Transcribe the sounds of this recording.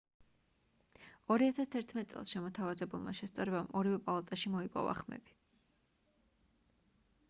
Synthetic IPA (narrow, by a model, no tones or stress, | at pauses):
ɔɾiat̪ʰast̪ʰɛɾt̪ʰmɛt̪sʼɛ̰lˠsʃɛmɔt̪ʰavazɛbulˠma̰ʃɛst̪sʼaɾɛbamʔɔɾivɛpʼalˠat̪ʼaʃimɔipʼɔ̰va̰χmɛ̰b̥i̥